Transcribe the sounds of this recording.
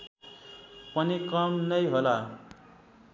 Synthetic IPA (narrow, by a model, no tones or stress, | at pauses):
pʌnikʌmnʌjɦola